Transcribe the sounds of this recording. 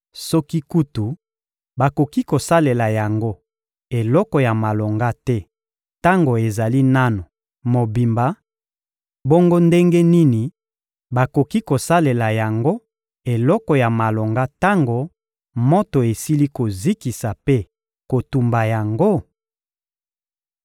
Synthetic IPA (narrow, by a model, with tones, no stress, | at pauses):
sɔ˦ki˦ku˦tu˨ | ba˨ko˨ki˦ko˨sa˦le˨la˨ja˨ŋɡo˦ | e˨lɔ˦kɔ˨ja˨ma˨lo˨ŋɡa˦tɛ˦ | ta˦ŋɡo˨e˨za˨li˦na˦no˨ | mo˨bi˨mba˨ | bo˦ŋɡo˦nde˦ŋɡe˦ni˦ni˨ | ba˨ko˨ki˦ko˨sa˦le˨la˨ja˨ŋɡo˦ | e˨lɔ˦kɔ˨ja˨ma˨lo˨ŋɡa˦ta˦ŋɡo˨ | mo˦to˨e˨si˦li˦ko˨zi˦ki˨sa˨pe˦ | ko˨tu˨mba˨ja˨ŋɡo˦